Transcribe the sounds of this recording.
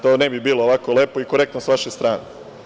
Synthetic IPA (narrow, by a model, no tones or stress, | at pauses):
t̪oːnebibiːloːʋakoleːpoikoɾekt̪nosʋaʃest̪ɾaːne